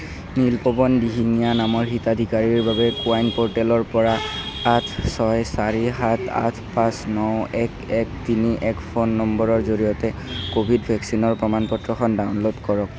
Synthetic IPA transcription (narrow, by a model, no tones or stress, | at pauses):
nilpɔbɔndiɦinijanamɔɹɦitad̪ʱikaɹiɹbabɛkuajnpɔɹʈɛlɔɹpɔɹaatʰsɔjsaɹiɦatʰa̰tʰpãsnɔwɛkɛk̚tiniʔɛkpʰonːɔmbɔɹɔɹzoɹijɔtɛkobʱidbʱɛksinɔɹpɹɔmanpɔtɹɔxɔndaʊnlotkɔɹɔk̚